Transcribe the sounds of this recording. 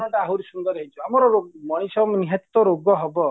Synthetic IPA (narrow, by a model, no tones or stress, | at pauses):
ɔʈaaɦuɾisund̪ɔɾɔɦit͡ʃʰɔamɔɾɔɾomɔɽ̃isɔmniɦat̪it̪ɔɾoɡɔɦɔbɔ